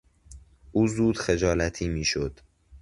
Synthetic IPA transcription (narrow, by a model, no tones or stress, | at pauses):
ʔuːzuːd̪̥xed͡ʒɒːlæt̪ʰiːmiːʃod̪̥